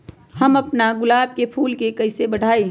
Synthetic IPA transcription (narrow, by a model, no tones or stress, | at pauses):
hɐmɐpnaɡʊlaːbkepʰuːlkekɐɪsebɐɽ̤aːi